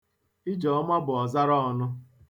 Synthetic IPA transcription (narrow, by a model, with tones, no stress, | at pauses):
i˦d͡ʒɔ˨ɔ˦ma˦bʊ˨ɔ˨za˦ɾɔ˦ɔ˨nʊ˦